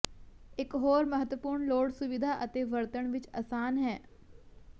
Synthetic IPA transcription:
ɪkɦoːɾməɦət̪ʋəpuːɾɳloːɽsʊʋɪd̪ʱaːʔət̪eːʋəɾt̪əɳʋɪt͡ʃə̰ːsaːnɦɛː

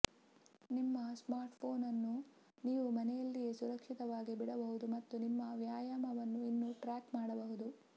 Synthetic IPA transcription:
nimːɐsmaːɾʈpʰoːnɐnːu | niːʋumɐnɛjɐlːiɡesuɾɐkʂit̪ɐʋaːɡibiɽɐbɐɦud̪umɐt̪ːunimːɐʋjaːjaːmɐʋɐnːuinːuʈɾaːkmaːɽɐbɐɦud̪u

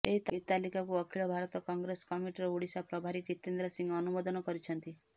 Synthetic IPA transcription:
eɦit̪ɦit̪alikakuɔkʰilɔbʱaɾɔt̪ɔkɔŋɡɾeskɔmiʈiɾɔuɽisapɾɔbʱaɾikit̪end̪ɾɔsiŋɡɔnumɔd̪ɔnɔkɔɾit͡ʃʰɔnt̪i

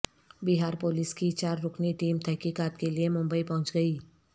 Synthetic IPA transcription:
bɪɦaːɾpoːlɪskit͡ʃaːɾːʊkʰniʈiːmt̪ʰɛɦkiːkaːt̪keliemʊ̃mbəipɐɦʊ̃t͡ʃɡɐiː

